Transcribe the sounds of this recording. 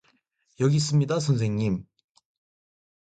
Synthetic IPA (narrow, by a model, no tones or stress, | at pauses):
jʌɡis͈ɯmɲidasʰʌns̬ʰe̞ŋɲim